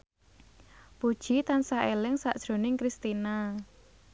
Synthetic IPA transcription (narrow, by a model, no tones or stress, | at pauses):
pud̥ʒ̥i̤t̪ansaʔelɪŋsaʔd̥ʒ̥ɾo̤nɪŋkɾist̪ina